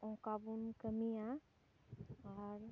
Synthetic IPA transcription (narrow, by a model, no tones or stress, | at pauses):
ɔ̃kabunkəmija | aɾ